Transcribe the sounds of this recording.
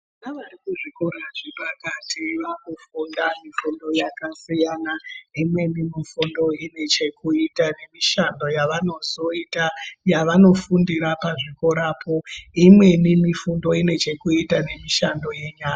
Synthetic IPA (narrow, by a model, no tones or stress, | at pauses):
anaʋaɾikuʐikoɾaʐipakatiʋakufundamifundo̞jakasijanaimwe̞nimifundo̞ine̞t͡ʃe̞kuitane̞miʃando̞jaʋano̞zo̞itajaʋano̞fundiɾapaʐikoɾapʰo̞imwe̞nimifundo̞ine̞t͡ʃe̞kuitane̞miʃando̞je̞ɲaːka